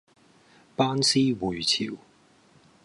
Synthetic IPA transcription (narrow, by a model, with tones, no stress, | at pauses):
paː˥nsiː˥wu˨ɥt͡sʰi˨˩w